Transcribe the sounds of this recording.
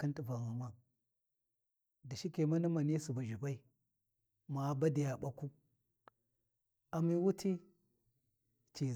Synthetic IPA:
ki˦nti˨va˨ŋa˨ma˦ | di˨ʃi˦ke˨ma˦na˦ma˨ni˦su˨ba˨ʒu˨ba˦i˨ | ma˨ba˦di˨ja˨ɓa˨ku˦ | a˨mi˦wu˦ti˦ | t͡ʃi˨

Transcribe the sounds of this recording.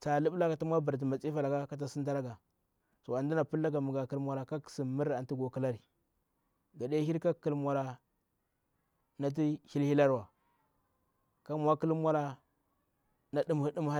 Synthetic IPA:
t͡sa˨lu˦bla˦ka˨ta˦mʷ˦a˦ba˨ɾt̬i˨ma˨t͡si˦fa˨la˨ka˦ka˦t̬a˦si˦t̬a˦ɾa˦ɡa˨ | so˨a˨ndi˦na˨pu˦lːa˦ɡa˨mu˨ɡa˨ki˦lmʷa˦ɾa˨ka˦ksi˨mi˦ɾa˨n˨ti˦ɡo˨ki˦la˦ɾi˨ | ɡa˨de˦hi˦ɾka˦ki˨lmʷ˨a˨ɾa˨ | na˨t̬i˦hi˦lhi˦la˦ɾwa˨ | ka˦mʷ˨˦a˦ki˦lmʷ˦a˦la˦ | na˨du˦m˨i˦du˦m˦a˦

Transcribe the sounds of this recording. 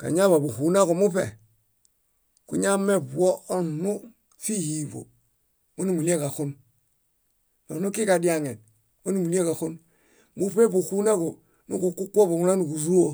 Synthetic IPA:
ka̰˨ɲa˦βa˨bu˨hu˨na˦ko˨mu˦pḛ˨ | ku˨ɲa˦me˦bu˨wo˦o˦nu˦ | fi˦ji˨bo̰˨ | mo˦ni˦˨mu˨li˦e˦ka˨xu˦n | no˨nu˦ki˦ka˨di˦a˨ŋe˨n | mo˦ni˦mu˨li˦e˦ka˨xu˦n | mu˦pe˦bu˨hu˦na˦ko˨ | nu˦ku˨ku˦kʷːo˦bu˨ŋu˨na˦nu˨ku˨zu˦o˦

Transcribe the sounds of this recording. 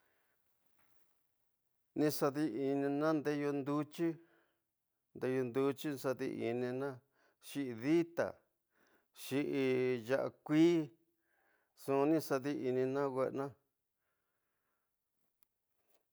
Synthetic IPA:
nĩ˧sa˧ði˧i˧nĩ˧nã˦nd̪e˦jo˧nd̪u˦t͡ʃi˦ | nd̪e˧jo˧nd̪u˧t͡ʃi˦˧sa˧ðḭ˧ʔi˧nĩ˧nã˦ | ʃi˦ʔi˧ði˦t̪a̰˨ | ʃi˦ʔi˧ja˧ʔa̰˧kʷiː˦ | sũ˧nĩ˦sa˧ði˦ʔi˧nĩ˧nã˦wʷe˧ʔnã˦

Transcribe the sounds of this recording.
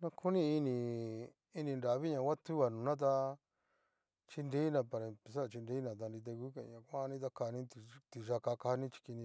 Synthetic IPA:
nã˧kʰu˦nĩ˦i˧nĩ˧ | i˧nĩ˧nɾa˨βi˦ɲã˧˨kʷa˦t̪u˦βa˨nũ˨˧nã˦t̪̬a˧ | t͡ʃi˧nd̪e˦nã˧pa˧ɾa˨˧pe˧s̬a˦˨t͡ʃi˧nd̪e˦nã˧˨t̪̬a˧ndi˧t̪̬e˧ku˦kḛ˧˨ã˨kʷã˦˧nĩ˦t̪̬a˧ka˧nĩ˦t̪i˧t̪i˧ʃa˧ka˧ka˧a˧nĩ˦t͡ʃi̥˧ki˧nĩ˧

